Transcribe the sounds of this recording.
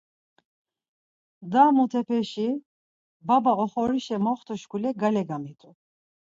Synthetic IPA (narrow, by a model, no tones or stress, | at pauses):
d̪aːmut̪ʰɛpʰɛʃi | babaɔχɔɾiʃɛmɔχt̪ʰuʃkʰulɛɡalɛɡamit̪ʼu